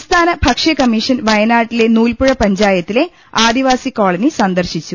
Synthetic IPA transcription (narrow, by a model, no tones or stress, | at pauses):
st̪ʰaːnɐbʱɐkʂɐkɐmiʂɐnʋɐjɐnaːʈːile̞nuːlpuɻɐpɐɲd͡ʑaːjɐt̪ːile̞ | aːd̪iʋaːsiko̞ːɭɐnisɐnd̪ɐrɕit͡ɕːu